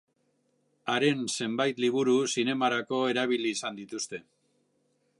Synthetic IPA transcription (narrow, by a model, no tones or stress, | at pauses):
aɾe̞nse̞mbajt̪liβ̞uɾusine̞maɾako̞e̞ɾaβ̞iliːsand̪it̪ust̪e̞